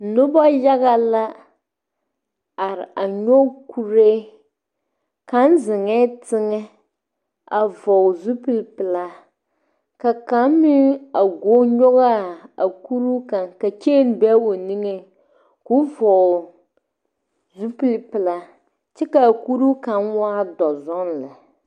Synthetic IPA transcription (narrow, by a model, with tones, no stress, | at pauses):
no˦ba˦ja˦ɣa˦la˦ | a˨ɾɪ̰˨ʔa˨ɲɔ˦kʰu˦ɾe˦ | ka˦n˦zɪ˨ŋɛ˦tɪ˦ŋɛ˦ | a˨vɔ˨zu˦pi˦lpɨ˨la˦ | ka˨ka˨˦m˦mi˦a˨ɡo˦ɲɔ˦ɣa˦a˨ku˦ɾu˦kã˨nka˨t͡ʃe˦n˦bɛ˦o˨ni˦ŋe˦ | ku˦vɔ˨ | zu˦pi˦lpɪ˨la˦ | t͡ʃɛ˦ka˨a˨ku˦ɾu˦kã˨nwaː˦dɔ˨zɔ˦nlɪ˨